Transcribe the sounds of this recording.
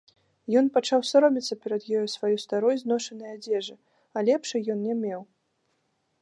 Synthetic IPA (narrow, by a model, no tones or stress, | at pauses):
jɔnpat͡ʂawsaɾɔmʲit̪sːɐpʲɛɾɐd̪jɔjusvajust̪aɾɔjznɔʂɐnɨjad͡zʲɛʐɨ | alʲɛpʂɨjɔnnʲɛmʲɛw